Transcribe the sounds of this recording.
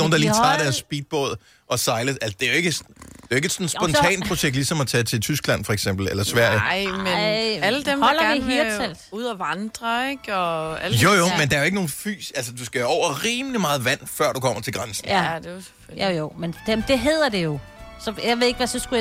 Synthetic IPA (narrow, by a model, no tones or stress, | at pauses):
oːnd̥ɑliːt͡sʰɑ̈dɐsːb̥iːd̥̚b̥ɔ̰ð̰ˠ | ʔɒ̽sɑ̈ɪləælsəd̥e̝æjo̝e̝ɡ̥əsd̥eoe̝ɡ̥e̝d̥sɒ̽nsb̥ɒ̽nt͡sʰɛ̰ːn̥̚pʰʁo̝ɕeɡ̥̚d̥lisɒ̽mɒt͡sʰɛt͡sʰe̝lt͡sʰysɡ̥læn̰fɒ̽eɡ̥sem̰b̥l̩elɐsʋæɐ̰jəɪmeæləd̥emhɒl̰ɐiɦiel̰d̥uð̞ˠɐʋɑnd̥ʁɐeɡ̥ɒæljojomend̥ɑɐjo̝eɡ̥əno̝ːn̩fy̰ːsælsəd̥usɡ̥æɒʊ̰ɐʁiːməlimɑ̈ːð̞̩ˠʋæn̰fɶɐ̰dukʰɒ̽m̰ɐt͡sʰe̝ɡ̥ʁɑnsn̩æd̥ese̥ | jojomen̥ed̥e̝ɦe̝ð̞̰ˠɐd̥e̝jo̝ | sɒ̽jaɪʋee̝ɡ̥ʋæsɒsɡ̥uj